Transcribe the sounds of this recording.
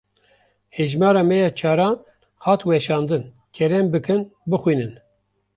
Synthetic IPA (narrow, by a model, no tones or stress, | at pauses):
heʒmɑːɾɑːmɛjɑːt͡ʃʰɑːɾɑːn | hɑːt̪wɛʃɑːnd̪ɨn | kʲʰɛɾɛmbɨkʰɨnbɨxwiːnɨn